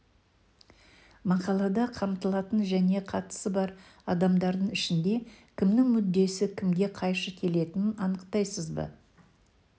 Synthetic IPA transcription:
mɑqɑlˠɑd̪ɑqʰɑmt̪əlˠɑt̪ənʒæne̞qʰɑt̪ə̥səbɑɾɑd̪ɑmd̪ɑɾd̪əɴɪʃɪnd̪e̞kʲʰɪmnɪŋmʏd̪ːe̞sɪkʲʰɪmɡʲe̞qʰɑjʃəkʲʰe̞le̞t̪ɪnɪnɑnəqt̪ɑjsəzbə̰

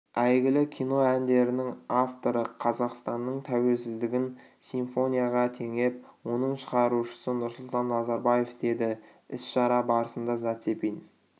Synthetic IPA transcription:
æjɡʲɪlɪkʲʰijno̞ænd̪e̞ɾɪnɪŋaft̪o̞ɾəqʰɑzɑqst̪ɑnːəɴt̪ʰæwe̞lsɪzd̪ɪɡʲɪn | siɱfo̞nʲijaʁɑt̪ʰe̞ŋe̞pwo̞nəɴʃəʁɑɾuʃə̥sənʊɾsʊlˠt̪ɑnːɑzɑɾbaje̞fd̪e̞d̪ɪ | ɪsʃɑɾɑbɑɾəsənd̪ɑzɑt̪se̞pejn

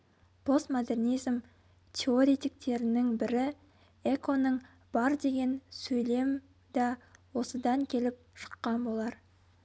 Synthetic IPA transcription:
b̥ʰo̞st̪mod̪e̞rnijzm | t̪ʲʰeo̞ɾʲet̪ik̚t̪e̞ɾɪnɪŋbɪɾɪ | ekʰo̞nəɴ | b̥ɑɾd̪e̞ɡʲe̞nsɵjle̞m | d̪ɑwo̞səd̪ɑŋkʲʰe̞lɪp̚ʃə̥qːɑnbo̞lˠɑɾ

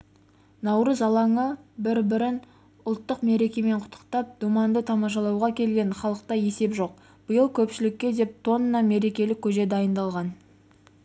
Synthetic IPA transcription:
nɑwɾəzɑlˠɑŋəbɪɾbɪɾɪn | ʊlˠt̪ːəqme̞ɾe̞kʲe̞me̞ɴqʰʊ̥t̪ʰːə̥qt̪ɑp̚d̪̥umɑnd̪ət̪ʰɑmɑʃ̬ɑlˠɑwʁɑkʲʰe̞lɡʲe̞ɴχɑlˠəq̚t̪ɑje̞se̞pʒo̞q̚ | b̥ʊjəlˠkʲʰɵpʃɪlɪkʲːe̞d̪e̞p̚t̪ʰo̞nənɑme̞ɾe̞kʲe̞lɪkʲʰːɵʒe̞d̪ɑjənd̪ɑlˠʁɑn

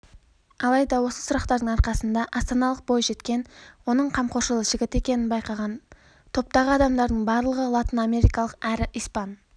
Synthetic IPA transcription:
ɑlˠɑjd̪ɑwo̞səsʊɾɑqt̪ɑɾd̪əɴɑɾqɑsənd̪ɑʔɑst̪ɑnɑlˠəq̚bo̞jʒe̞t̪kʲe̞nwo̞nəɴqʰɑmqʰoʃəlˠəʒ̥ɪɡʲɪt̪e̞kʲe̞nɪnbɑjqɑʁɑn | t̪ʰo̞p̚t̪ɑʁəɑd̪ɑmd̪ɑɾd̪əɴbɑɾlˠəʁəlˠat̪ənɑme̞ɾijkɑlˠəqæɾɪʔijspɑn

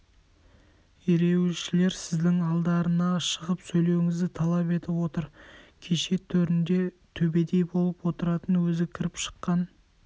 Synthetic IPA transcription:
eɾe̞wʃɪle̞ɾsɪzd̪ɪŋɑlˠd̪ɑɾənɑʃəʁəpsɵjle̞wɪŋɪzd̪ɪt̪ʰɑlˠɑpe̞t̪ɪpwo̞t̪əɾkʲʰe̞ʃe̞t̪ʰɵɾɪnd̪e̞ | t̪ʰɵbe̞d̪e̞jbo̞lˠəpwo̞t̪əɾɑt̪ənwɵzɪkʲʰɪɾɪpʃə̥qːɑn

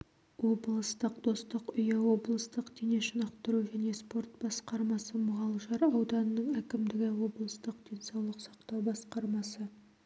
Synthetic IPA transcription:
wo̞blˠəst̪əqd̪̥o̞st̪əqʏjɑwo̞blˠəst̪əqd̪̥ene̞ʃənɑqt̪əɾuʒæne̞spo̞rt̪̚bɑsqɑɾmɑsəməʁɑlˠəʒɑɾɑwd̪ɑnənːəɴækʲɪmd̪ɪɡʲɪwo̞blˠəst̪əq̚d̪̥e̞nsɑwlˠəqsɑ̥qt̪ɑwbɑsqɑɾmɑsə

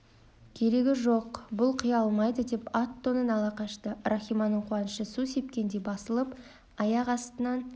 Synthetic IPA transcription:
kʲʰe̞ɾe̞ɡʲɪʒo̞qbʊlˠqʰijɑlˠmɑjd̪əd̪e̞pat̪ːo̞nənɑlˠɑqɑʃt̪ərʔaχʲijmɑnːəɴqʰuɑnəʃəsuse̞pkʲe̞nd̪e̞bɑsəlˠəp | ɑjɑqɑst̪ənɑn

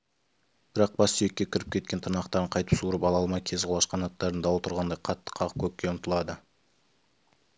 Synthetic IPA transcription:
b̥ɪɾɑq̚bɑssʏje̞kʲːekʲʰɪɾɪp̚kʲʰe̞t̪̚kʲe̞nt̪ʰənɑqt̪ɑɾəɴqʰɑjt̪ə̥psuɾəpɑlˠɑlˠmɑjkʲʰe̞zʁolˠɑʃqɑnɑt̪ːɑɾənd̪ɑwlˠt̪ʰʊɾʁɑnd̪ɑjqʰɑt̪ːə̥qʰɑʁəp̚kʲʰɵp̚ʲkʲːe̞ʊnʊt̪əlˠɑd̪ə

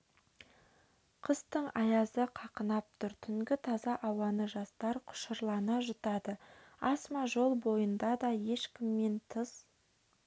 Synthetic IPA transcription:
qʰəst̪əɴɑjɑzəqʰɑqənɑp̚t̪ʰʊɾt̪ʰʏŋɡʲɪt̪ʰɑzɑʔɑwɑnəʒɑst̪ɑɾqʰʊ̥ʃəɾlˠɑnɑʒʊt̪ɑd̪əɑsmɑʒo̞lˠbo̞jənd̪ɑd̪ɑje̞ʃkʲɪmːe̞nt̪ʰəz̥

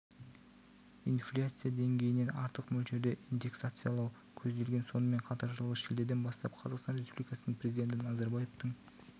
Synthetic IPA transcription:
inflʲat̪sɨjad̪e̞ŋɡʲe̞jɪne̞nɑɾt̪əqmɵlʃe̞d̪e̞ʔind̪e̞ksat̪sɨjalˠɑw | kʲʰɵzd̪e̞lɡʲe̞nso̞nəme̞ɴqʰɑt̪ɑɾʒəlˠəʃeld̪e̞ɾd̪e̞nbɑst̪ɑp̚qʰɑzɑqst̪ɑnrʲespublikɑsənəɴpʰrɾe̞zid̪ʲe̞nt̪̬ɪnɑzɑɾbajeft̪əɴ

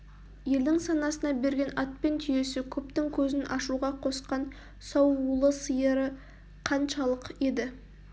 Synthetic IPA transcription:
je̞ld̪ɪŋsɑnɑsənɑbe̞ɾɡʲe̞nɑt̪̚pe̞nt̪ʰʏje̞sɪkʲʰɵpt̪ɪŋkʲʰɵzɪnʔɑʃuʁɑqʰo̞sqɑn | sɑwulˠəsəjəɾə | qʰɑnʃɑlˠəqe̞d̪ɪ

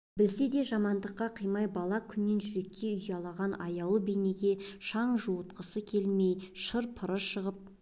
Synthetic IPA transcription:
bɪlse̞d̪e̞ʒɑmɑnd̪əqːɑqʰəjmɑjbɑlˠɑkʲʰʏnːe̞nʒʏɾe̞k̚t̪e̞ʏjɑlˠɑʁɑnɑjɑwlˠəbejne̞ɡʲe̞ʃɑɴʒuwət̪̚qəsəkʲʰe̞lme̞jʃəɾpʰəɾəʃəʁəp̚

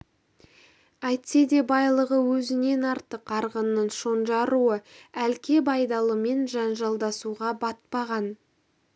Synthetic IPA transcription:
æjt̪se̞d̪e̞bɑjlˠəʁəwɵzɪne̞nɑɾt̪əqɑɾʁənːəɴʃo̞nʒɑɾuəælkʲe̞bɑjd̪ɑlˠəme̞nʒɑnʒɑlˠd̪ɑsuʁɑbɑt̪̚pɑʁɑn

